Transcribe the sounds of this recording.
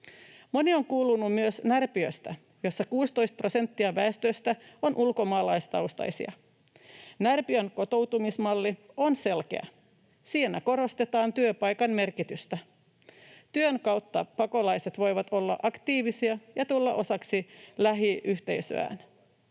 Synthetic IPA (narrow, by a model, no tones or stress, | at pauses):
mo̞nio̞ŋkuːlunːumyøsnærpiøst̪æ | jo̞sːɑkuːst̪o̞jst̪̚pro̞se̞nt̪ːiɑʋæest̪øst̪æo̞nʔulko̞mɑːlɑjst̪ɑuwst̪ɑ̰jsḭɑ̰ | nærpiønko̞t̪o̞wt̪umismɑlːio̞nse̞lk̟e̞̰æ̰ | siːnæko̞ɾo̞st̪et̪ɑːnt̪yøpɑjkɑnme̞rkit̪yst̪æ | t̪yøŋkɑwt̪ːɑpɑko̞lɑjse̞t̪ʋo̞jʋɑt̪o̞lːɑ̰ʔɑkt̪iːʋisiɑjɑt̪ulːɑ̰ʔo̞sɑksilæɦiʔyçt̪e̞̰jsø̰æ̰ːn